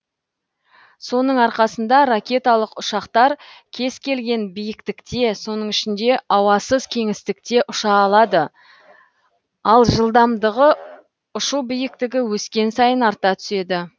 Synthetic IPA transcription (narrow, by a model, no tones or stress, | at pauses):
so̞nəɴɑɾqɑsənd̪ɑɾakʲe̞t̪alˠəqʊʃɑqt̪ɑɾkʲʰe̞zkʲe̞lɡʲe̞nbijɪkt̪ɪkt̪e̞so̞nəɴɪʃɪnd̪e̞ɑwɑsəzkʲʰe̞ŋɪst̪ɪk̚t̪e̞ʔʊʃɑːlˠɑd̪ə | ɑlˠʒəlˠd̪ɑmd̪əʁə | ʊʃubijɪk̚t̪ɪɡʲɪwɵskʲe̞nsɑjənɑɾt̪ɑt̪ʰʏ̥se̞d̪ɪ